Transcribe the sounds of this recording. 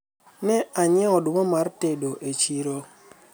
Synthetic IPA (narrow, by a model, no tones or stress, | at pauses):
nɛaɲɛɔdʊmɔmaɾtedoʔet͡ʃiɾo